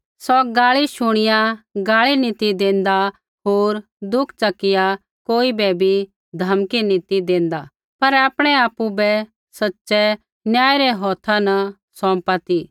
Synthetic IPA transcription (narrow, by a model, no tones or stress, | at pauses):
sɔɡaːɭiʃʊɽ̃ɪjãɡaːɭinɪt̪id̪ẽːnd̪a | ɦoːɾ | d̪ʊkʰt͡ʃɐkːɪja | koːibɛbʱi | d̪ʱɐmkinɪt̪id̪ẽːnd̪a | pɐɾaːpɽ̃ɛaːpubɛ | sɐtːsɛ | njaːjɾɛɦɔːt̪ʰãnɐ | sɔ̃ːmpat̪i